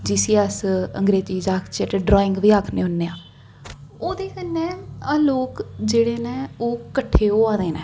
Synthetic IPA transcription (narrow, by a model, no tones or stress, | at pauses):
d͡ʒiːsiːəsə̰ŋɡɾeːt͡ʃiːd͡ʒaːkʰt͡ʃeʈeɖɾɔːɪ̃ŋɡʋiːaːkʰneːʊnːeːãː | oːd̪eːkənːɛ̃ːaloːkd͡ʒeːɽeːnẽːoːkəʈʰːeːoːaːd̪eːnɛ̰ː